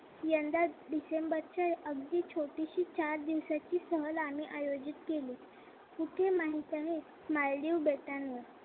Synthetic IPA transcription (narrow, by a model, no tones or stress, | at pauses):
jənd̪aɖisembəɾt͡ɕaʔəɡd̪iːt͡ɕʰoʈiɕiːt͡ɕaɾd̪iʋsat͡ɕiːsəɦəlamiːʔajod͡ʑit̪keliː | puʈʰemaɦit̪aɦe | maɭliʋbet̪anːə